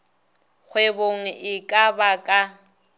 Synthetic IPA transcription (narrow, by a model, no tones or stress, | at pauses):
k͡xʰweboŋ̩ʔɪkʼabakʼa